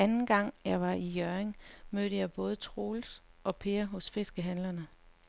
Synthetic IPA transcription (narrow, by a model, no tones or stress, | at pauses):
ænn̩ɡ̥ɑ̈ŋ̰jɑ̈ɪʋɑ̈ijœɐeŋmøːɾ̥əjɑ̈ɪb̥ɔ̽ːð̞̩ˠt͡sʰʁo̝ːlsʔɒ̽pʰe̝ːɐɦɔ̽sfe̝sɡ̥əɦænlɐnə